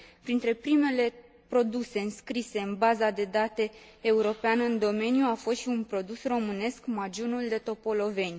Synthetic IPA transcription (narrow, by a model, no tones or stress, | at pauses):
pɾint̪ɾe̞pɾime̞le̞ | pɾo̞d̪use̞ɨnskɾise̞ɨnbazad̪e̞d̪at̪e̞ː | uɾo̞peanɨnd̪o̞me̞njuafost̪ʃiunpɾo̞d̪usro̞mɨne̞skmad͡ʒunuld̪e̞t̪o̞po̞lo̞ve̞nʲ